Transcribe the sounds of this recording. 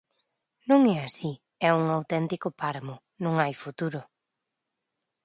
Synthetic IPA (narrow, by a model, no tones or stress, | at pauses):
nõŋɛasi | ɛuŋawt̪ɛnt̪ikʊpaɾamʊ | nõŋajfut̪uɾʊ